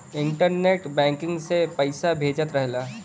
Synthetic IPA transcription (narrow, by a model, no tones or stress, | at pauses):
ɪ̃ɳʈəɾneːʈbɛ̃ːŋkɪ̃ŋɡsepɐɪsabʱeːd͡ʒət̪ɾɛɦlaː